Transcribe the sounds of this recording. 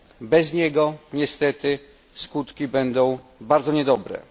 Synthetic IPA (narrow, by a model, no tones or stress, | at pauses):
bɛzɲɛɡɔɲɛst̪ɛt̪ɘ | skut̪kʲibɛnd̪ɔ̃w̃ | baɾd̪zɔɲɛd̪ɔbɾɛ̰